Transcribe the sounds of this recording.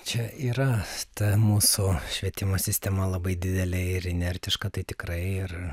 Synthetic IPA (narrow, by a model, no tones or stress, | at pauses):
t͡ʃʲɛiːɾɐt̪ɐmuːsʊʃʲʋʲiɛt̪ʲɪmoːsʲɪsʲt̪ʲɛmɐlˠɐbɐɪd̪ʲɪd̪ʲɛlʲɛɪɾɪnʲɛrʲt̪ʲɪʃkɐt̪ɐɪt̪ʲɪkɾɐɪɪr